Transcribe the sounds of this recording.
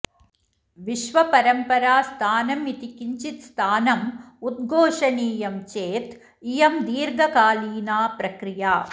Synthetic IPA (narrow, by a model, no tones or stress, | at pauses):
ʋiʃʋɐpɐɾɐmpɐɾaːst̪ʰaːnɐmit̪ikiɲt͡ʃit̪st̪ʰaːnɐm | ud̪̚ɡʱoːʂɐniːjɐmt͡ʃeːt̪ | ijɐmd̪iːɾɡʱɐkaːliːnaːpɾɐkɾijaː